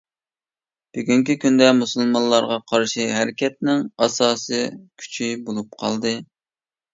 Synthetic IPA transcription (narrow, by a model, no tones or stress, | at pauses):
b̥yɡʲyŋkʲikʲʰynd̪ɛmusɨlˠmɑnllːˠɑɾʁɑqʰɑɾʃiɦæɾɪkʲɛt̪̚nɪŋɑsɑːsɨkʲʰy̥t͡ʃʰibolˠup̚qʰɑ̰lˠd̪ɨ